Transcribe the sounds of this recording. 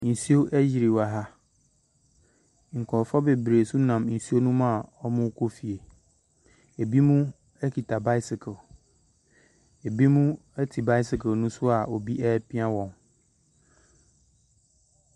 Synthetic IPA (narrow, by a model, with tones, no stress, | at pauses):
n̩˨si˦o˦ʔæ˦ji˨ɾi˨wa˨ɦa˦ | ŋ̩˨kʰɔ̃˨ɾfɔ˦be˨bɾe˨su˦nã˨mn̩˨si˦o˦nũ˦mã˨ɔ˦mʊ̃˦kʰo˦fi˨e˨ | e˨bi˦mũ˦ | ɛ˦kʰi˨tʰa˨ba˦sɪ˨kʰɛ˨l | e˨bi˦mũ˦ | ɛ˦tʰi˨ba˦ɪ˦si˨kʰɛ˨nũ˦sʊ˦a˨ɔ˨bi˦ʔɛ˦pʰĩ˦a˦wɔ̃˨ŋ